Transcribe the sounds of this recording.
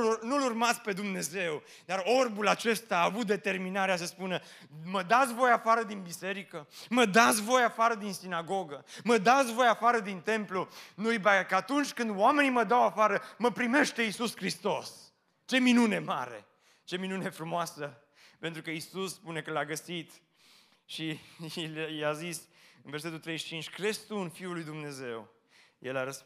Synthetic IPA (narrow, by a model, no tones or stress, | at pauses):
nulurmat̪sʲpe̞d̪umne̞ze̞w | d̪aro̞rbulat͡ʃe̞st̪aːvut̪̚d̪e̞t̪e̞rminaɾeas̬əspunə | məd̪at̪sʲvo̞jafaɾəd̪inbise̞ɾikəməd̪at̪sʲvo̞jafaɾəd̪insinaɡo̞ɡəməd̪at̪sʲvo̞jafaɾəd̪int̪e̞mplunujbakəat̪unt͡ʃʲkɨnd̪oame̞niməd̪awafaɾəməpɾime̞ʃt̪e̞isuskɾist̪o̞s | t͡ʃe̞minune̞ma̰ɾe̞̰ | t͡ʃe̞minune̞fɾumoasə | pe̞nt̪ɾukəisusspune̞kəlaɡəsit̪ | ʃi | jazisɨnverse̞t̪ult̪ɾejʃt͡ʃint͡ʃʲkɾest̪unfiulːujd̪umne̞ze̞w | jḛlaɾəs